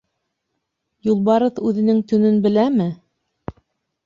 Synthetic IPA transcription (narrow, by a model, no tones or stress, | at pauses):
julˠβɑɾɤðʉðɘ̆nɘŋt̪ɵ̆nɵnbɘ̆læmɘ